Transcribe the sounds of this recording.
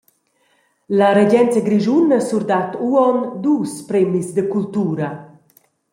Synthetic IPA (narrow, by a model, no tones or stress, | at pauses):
laɾeɟɛnt͡səɡɾiʒunəsuɾd̪at̪uɔnd̪uːspɾɛmizd̪əkult̪uːɾɐ